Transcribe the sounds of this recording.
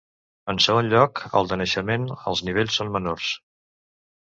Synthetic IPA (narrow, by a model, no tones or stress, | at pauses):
ənsəɣonʎɔkə̰lˠd̪ənəʃəmenə̰lˠzniβeʎʲsonmənors